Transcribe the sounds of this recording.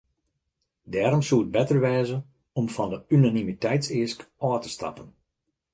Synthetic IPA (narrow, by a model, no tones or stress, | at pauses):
dɛːɾɔmsuət̚bɛtərʋɛːzə | ɔmfɔndəynanimitɛjtsɪəskɔːtə̥stɑ̰pən